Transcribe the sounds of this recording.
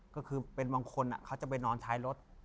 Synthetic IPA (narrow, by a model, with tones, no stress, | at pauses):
kɔː˥˩kʰɯː˧pe˧nbaː˧ŋkʰo˧nʔa̰˨˩kʰa˦˥˩wt͡ɕa˨˩pe˧nɔː˧nt̪ʰaː˧˥jɾo˦˥t̪̚